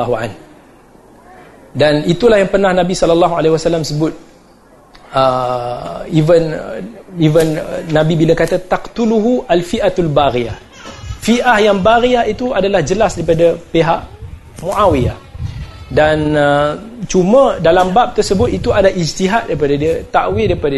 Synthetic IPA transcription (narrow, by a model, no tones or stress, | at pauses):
ɦua̰n | danit̪ulahjaŋpərnahnãbisɔlalːɑɦualehwasalamsəbʊt̪̚ | ə | ivən | ivənːãbibilaŋkat̪at̪aqt̪uluɦuʔalfiʔat̪albaɾiah | fiʔahjaŋbaɾiahit̪uadalahd͡ʒəlasdaɾipadapeɦaʔ | muʔawiah | danət͡ʃumə̃dalambap̚t̪ərsəbʊt̪̚it̪uadaʔid͡ʒt̪iɦat̪̚daipadadiət̪aʔwɪdaɾipada